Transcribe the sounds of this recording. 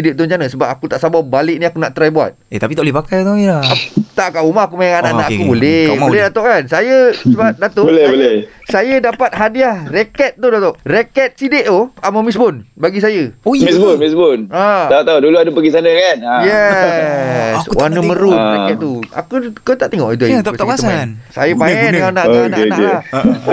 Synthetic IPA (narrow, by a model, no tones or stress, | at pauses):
idɪʔt̪uɲt͡ʃanəsəbap̚akut̪aʔsababalɪʔ̚nĩakunaʔt̪ɾajbua̰t̪̚et̪apit̪alipakajt̪ailaakt̪aʔkaʔumaakumajaŋanaʔnaʔakubolɛbolɛhdat̪oʔkansajəsəbap̚dat̪obolɛhbolɛ | sajədapat̪̚ɦadiahrekɛt̪̚t̪ːudat̪ɔʔrekɛt̪̚sideʔoaməmis̬bʊnbaɡis̬ajəmisbʊmisbʊnaaut̪auduluadəpəɡisanəkanjɛ | swanəməɾutekɛt̪̚t̪ua̰kukot̪aʔt̪eŋɔʔit̪̬uat̪st̪ənsajəmajɛnkanaʔkiananake